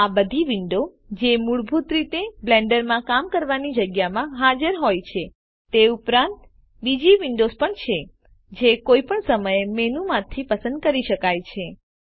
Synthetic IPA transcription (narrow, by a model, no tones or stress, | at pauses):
abəd̪ʱiʋiɳɖo | d͡ʒemuɭbʱut̪ɾit̪ebleɳɖəɾmãkamkəɾʋanid͡ʒəɡjamãɦad͡ʒəɾɦojt͡ʃʰe | t̪eupɾãnt̪ | bid͡ʒiʋiɳɖospəɳt͡ʃʰe | d͡ʒekojpəɳsəməjemenumãt̪ʰipəsə̃nd̪̚kəɾiʃəkajt͡ʃʰe